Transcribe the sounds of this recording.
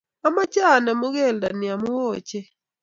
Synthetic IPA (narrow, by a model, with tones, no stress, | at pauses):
a˦ma˦t͡ʃa˦˨na˨mo˦ɣe˦˨lda˨nɪ˨a˨mʊ˦wo˦˨t͡ʃe˦